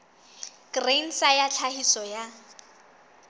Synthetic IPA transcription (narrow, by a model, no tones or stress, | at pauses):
ɡ̥ren̩sajat͡ɬʰahisɔja